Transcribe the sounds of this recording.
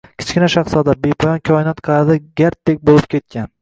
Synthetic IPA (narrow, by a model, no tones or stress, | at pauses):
kʲʰɪ̥t͡ʃkʲɪnaʃɑχsɒd̪abe̞pʰɒjɒnkʲʰɒɪnɒt̪qʰɑad̪aɡʲaɾt̪̚d̪ek̚ʲbolɪp̚kʲʰe̞t̪̚kʲan